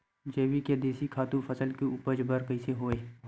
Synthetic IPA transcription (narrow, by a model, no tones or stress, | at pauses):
d͡ʒeːʋiked̪eːsikʰaːt̪ũfʰəsəlkeuːpəd͡ʒbəɾkəɪseɦoːe